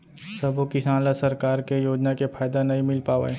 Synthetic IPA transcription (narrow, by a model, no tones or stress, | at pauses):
sɐbokɪsãːnlasɐɾkaːɾkejoːd͡ʒnakepʰaːjd̪anɐɦĩmɪlpaːʋa̰e